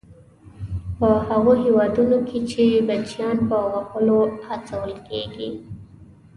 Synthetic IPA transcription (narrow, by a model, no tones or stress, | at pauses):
pəhaɣoɦewɑd̪unokʰet͡ʃebat͡ʃijɑnpəɣaxəlohat͡sawəlkḛɡḭ